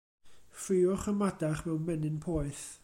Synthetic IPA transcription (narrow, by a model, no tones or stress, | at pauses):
frɪʊχəmadaχmɛwnmɛnɪnpʰɔːɨθ